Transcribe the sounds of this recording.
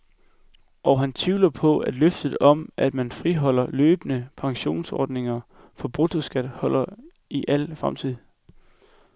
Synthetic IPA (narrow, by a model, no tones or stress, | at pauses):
ʔɒɦænt͡sʰʋiːlɐpʰɒ̽æd̥løfd̥ð̩ˠɒ̽mʔæd̥mænfʁiɦɒ̽l̰ɐløːb̥ənəpʰɑ̈ŋɕo̝̰ːnsɒ̰ːd̥ne̝ŋɐ | fɒ̽b̥ʁut͡sʰosɡ̥æd̥hɒ̽l̰ɐ | iʔæl̰fʁamt͡sʰið̰ˠ